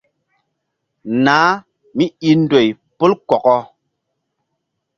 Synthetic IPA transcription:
naː˨˦ | mi˦i˧n̩˦do˨j | pu˦lkɔ˨kɔ˧

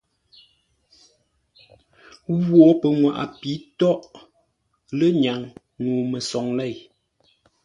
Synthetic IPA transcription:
ɣwɔ˨˦pə˨ŋwa̰˨ʔa̰˨pi˨˦tɔ˦ʔ | lə˦ɲa˨ŋ | nuː˨mə˨sɔ˨ŋlɛ˦˨j

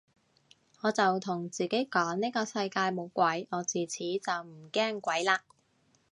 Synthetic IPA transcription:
ŋɔː˨˧t͡sɐ˨wt̪ʰʊ˨˩ŋt͡siː˨ke˨˥jkɔː˨˥ŋniː˥kɔː˧sɐ˧jkaː˧jmo˨˧wkʷɐ˨˥jʔɔː˨˧t͡siː˨t͡sʰiː˨˥t͡sɐ˨wm̩˨˩kɛː˥ŋkʷɐ˨˥jlaː˧

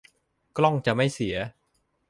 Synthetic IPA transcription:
klɔ˥˩ŋt͡ɕa˨˩ma˥˩jsi˩˦ɐ

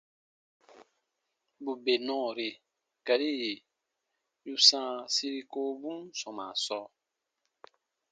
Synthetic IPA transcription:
bu˨be˨nɔ̃ː˦˨ɾi˨ | ka˨ɾi˦ji˨ | ju˦sãː˦˨si˦ɾi˦ko˦bũ˦nsɔ̃˨mã̰˨sɔː˦

